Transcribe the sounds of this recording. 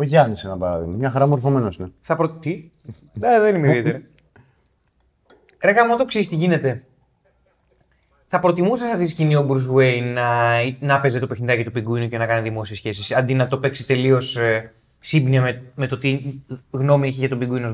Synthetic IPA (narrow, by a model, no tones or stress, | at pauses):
oʝɐnisenɐpɐɾɐðḭɣmɐmɲɐxɐɾɐmoɾfo̞me̞nosineθɐpɾot̪i | d̪eðenimeiðiet̪eɾɐ | ɾeɣɐmot̪o̞ksist̪iʝine̞t̪e̞ | θɐpɾo̞t̪imusɐsɐft̪iisciniobɾusweinnɐnɐpe̞zet̪opexnid̪ɐcit̪upiɡuinuce̞nɐkɐniðimo̞sie̞sçe̞sisɐnd̪inɐt̪o̞pe̞kse̥t̪e̞lio̞s | sibniɐmeme̞t̪ot̪iɣno̞mieçeʝɐt̪obiɡuinoz